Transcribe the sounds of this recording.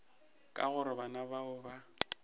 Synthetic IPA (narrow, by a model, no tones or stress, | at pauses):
kʼa̰ɣʊɾɪbanabaʊba